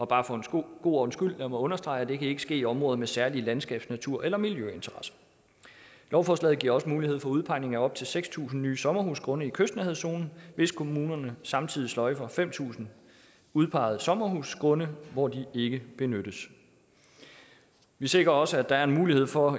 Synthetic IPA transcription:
ɒ̽b̥ɑ̈ːfɒ̽enɡ̥o̝̰ːɒnsɡ̥yl̰dæmɒɔ̽nɐsd̥ʁɑ̈ɪæd̥e̝kʰæe̝ɡ̥ə̥sɡ̥e̝̰ːiɒ̽mʁɔ̽ːðˠmesæɐliəlænsɡ̥ɛ̰ːb̥snæt͡sʰuɐ̰ʔelɐmiljøe̝nt͡sʰɐʁɑ̈sɐ̥ | lɒʊfɒslɛ̰ð̩ˠɡ̥iɐ̰ɒ̽səmuːlihe̝ð̰ˠfɒ̽uðˠpʰɑ̈ɪne̝ŋæɒ̽b̥̚t͡sʰe̝lseɡ̥st͡sʰṵːsn̩nyːsɒ̽mɐɦusɡ̥ʰʁɔ̽nəikʰøsd̥næheðˠso̝̰ːnn̩ʋe̝skʰo̝muːnɐnəsɑ̈mt͡sʰiðˠislɒ̽ɪfɒ̽fem̰t͡sʰṵːsn̩ | uð̞ˠpʰɑ̈ɪ̰ð̞̩ˠsɒ̽mɐɦṵskʰʁɔ̽nəʋɒd̥ie̝ɡ̥əb̥e̝nøɾ̥əs | ʋise̝ɡ̥ʁɐɒ̽səæd̥ɑ̈æɐe̝nmuːlihe̝ð̞̰ˠfɒ̽

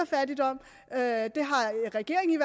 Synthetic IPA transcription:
ɐfæɐdid̥ɒ̽m̰ | ød̥e̝ɦɑ̈ʁɛɡ̥e̝̰ɐ̰eŋiʋæ

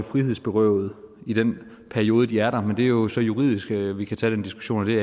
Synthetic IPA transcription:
fʁihe̝ð̰ˠsb̥e̝ʁœʊð̩ˠid̥en | pʰæɐio̝ːð̞ˠəd̥iæɐɾɑ̈mend̥e̝æjosɒ̽juʁḭðˠisɡ̥ʋikʰæt͡sʰɛ̰ːd̥end̥isɡ̥u̥ɕo̝̰ːnd̥e̝

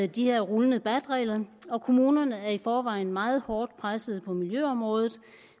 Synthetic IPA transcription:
d̥ihe̝ɐ̰ʁulənəb̥æd̥ʁɛ̰ːɪlɐɒ̽kʰo̝muːnɐnəæɐifɒːʋɑ̈ɪ̰n̩mɑ̈ːð̞̩ˠhɒːd̥pʰʁasəð̞̩ˠpʰɒ̽miljøɒ̽mʁɔ̽ːð̞ˠð̩ˠ

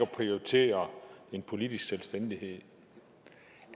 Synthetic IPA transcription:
ɒpʰʁioit͡sʰe̝̰ːɐe̝npʰo̝lid̥isɡ̥selsd̥en̰d̥iɦe̝ð̰ˠ

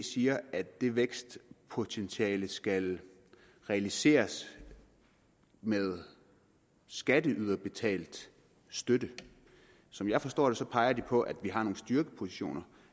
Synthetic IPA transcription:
siːɐæd̥ːe̝ʋeɡ̥sd̥pʰo̝t͡sʰent͡sʰiɛːləsɡ̥æl | ʁɛælise̝̰ːɐs | með̞ˠ | sɡ̥æd̥əʔyð̞ˠɐb̥e̝t͡sʰɛ̰ːld̥ | sd̥ød̥ə | sɒ̽mjɑ̈ɪfɒ̽sd̥ɒ̰ːd̥esɒ̽pʰɑ̈ɪɐd̥ipʰɒ̽ʔæd̥ʋiɦɑ̈no̝ːn̩sd̥yɐɡ̥əpʰo̝siɕo̝̰ːnɐ

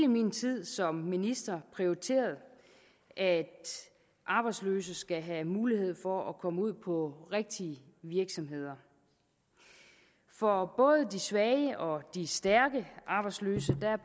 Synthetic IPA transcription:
ləmint͡sʰið̰ˠsɒ̽mːinisd̥ɐpʰʁioit͡sʰe̝̰ːɐð̞̩ˠ | ʔæd̥ | ʔɑ̈ːb̥ɑɪd̥slø̰ːsəsɡ̥æɦæmuːlihe̝ð̞̰ˠfɒʔækʰɒ̽məuð̰ˠpʰɒ̽ʁeɡ̥̚d̥iə | ʋiɐɡ̥sɒ̽mɦe̝ð̞̰ˠɐ | fɒ̽b̥ɔ̽ːð̞ˠəd̥isʋɛɪəʔɒ̽d̥isd̥æɐɡ̥əʔɑ̈ːb̥ɑ̈ɪdslø̰ːsəd̥æ

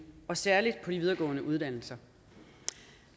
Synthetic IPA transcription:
ɒ̽sæɐlid̥̚pʰɒ̽ɾ̥iʋið̞ˠɐɡ̥ɔ̰̽ːnəʔuð̞ˠd̥æn̰l̩sɐ

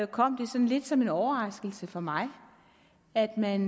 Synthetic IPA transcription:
kʰɒ̽m̰d̥e̝sɒ̽nle̝d̥sɒ̽me̝nɒʊɐʁɑ̈sɡ̥l̩səfɒ̽mɑ̈ɪ | æd̥mæn

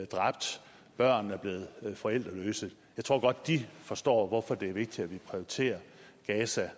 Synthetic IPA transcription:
d̥ʁɑ̈b̥̚d̥ | b̥ɶɐ̰n̩æɐb̥le̝ːð̩ˠfɒ̽el̰d̥ʁɐlø̰ːsəð̩ˠjɑ̈ɪt͡sʰʁo̝̰ɡ̥ɒ̽d̥ːifɒ̽sd̥ɒ̰ːʋɒfɒ̽d̥e̝æɐʋe̝ɡ̥̚d̥id̥æʋipʰʁioit͡sʰe̝̰ːɐɡ̥ɛːsæ

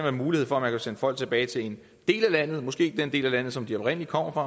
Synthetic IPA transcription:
nʋæɐmuːlihe̝̰fɒ̽æmænkʰæsen̰ə̥fɒ̽l̰ɡ̥̚t͡sʰe̝b̥ɛːɪt͡sʰe̝e̝n | d̥e̝̰ːlælæn̰ð̞̩ˠmɒ̽sɡ̥e̝̰ːd̥end̥e̝̰ːlælæn̰ð̞̩ˠsɒ̽md̥iɒb̥ʁen̰əlikʰɒ̽m̰ɐfʁɑ̈

